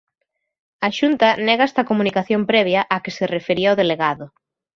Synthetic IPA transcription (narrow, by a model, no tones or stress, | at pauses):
ɐʃunt̪ɐnɛɣɐɛst̪ɐkomunikaθjompɾɛβ̞jɐʔakɪsɪrefeɾiɐowðeleɣaðʊ